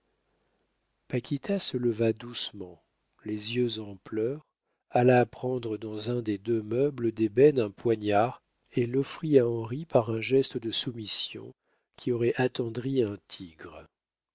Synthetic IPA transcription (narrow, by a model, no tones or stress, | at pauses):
pakʲit̪ʰasələvad̪usmɑ̃ | lezjøzɑ̃plœʁ | alaːpχɑ̃d̪ʁəd̪ɑ̃zɛ̃d̪ed̪ømœbləd̪ebɛnɛ̃pwaɲaʁ | elɔfχiaɑ̃ʁipaʁɛ̃ʒɛst̪əd̪əsumisjɔ̰̃ | kʲiɔʁɛʔat̪ɑ̃d̪ʁiɛ̃t̪ʰiɡʁə